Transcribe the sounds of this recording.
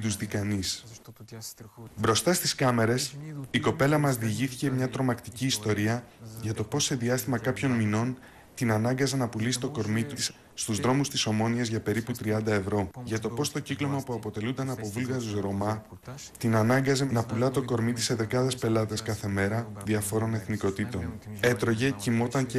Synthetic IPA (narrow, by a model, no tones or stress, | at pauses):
d̪uzðikɐnis | bɾo̞st̪ɐst̪iskɐme̞ɾe̞siko̞pe̞lɐmɐzðiʝiθi̥ce̞mɲɐt̪ɾo̞mɐkt̪iciːst̪o̞ɾiɐʝɐt̪o̞po̞se̞ðiɐst̪imɐkɐpço̞nmino̞n | t̪inɐnɐŋɡɐzenɐpulisi̥t̪o̞ko̞ɾmit̪isː | t̪uzðɾo̞must̪iso̞mo̞niɐzʝɐpe̞ɾiput̪ɾiɐnd̪ɐe̞vɾo̞ʝɐt̪o̞po̞st̪o̞ciklo̞mɐpuɐpo̞t̪e̞lund̪ɐnɐpo̞vulɣɐɾuzɾo̞mɐ | t̪inɐnɐŋɡɐze̞nɐpulɐt̪o̞ko̞ɾmit̪i̥se̞ðe̞kɐðe̞spe̞lɐt̪eskɐθe̞me̞ɾɐðiɐfo̞ɾo̞ne̞θniko̞t̪it̪o̞n | e̞t̪ɾo̞ʝe̞cimo̞t̪ɐŋce